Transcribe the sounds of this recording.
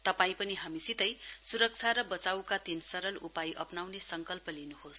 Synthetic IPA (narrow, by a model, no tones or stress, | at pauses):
t̪ʌpaĩpʌniɦamisit̪ʌjsuɾʌk̚t͡sʰaɾʌbʌt͡sawkat̪insʌɾʌlupajʔʌpnawnesʌŋkʌlpʌlinuɦos